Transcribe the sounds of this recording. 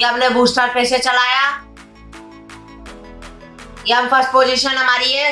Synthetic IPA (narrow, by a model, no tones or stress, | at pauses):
ɐmnebʱuːsʈaːɾpeːset͡ʃɐlaːja | keɐmpʰəɾsʈ̚poːd͡ʒiːʃənɦɐmaːɾiɦɛ